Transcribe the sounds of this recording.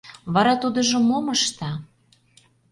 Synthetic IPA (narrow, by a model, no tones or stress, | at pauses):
βɑɾɑt̪ud̪ɤ̆ʒŏmoməʃt̪ɑ